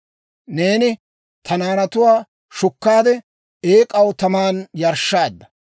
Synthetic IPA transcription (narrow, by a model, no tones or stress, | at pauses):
ne̞ːnɪ | t̪ʰɐnaːnɐt̪ʊwaː | ʃʊkːaːd̪ɛ | eːkʼɐwt̪ɐmaːnjɐɾʃːaːd̪ːɐ̥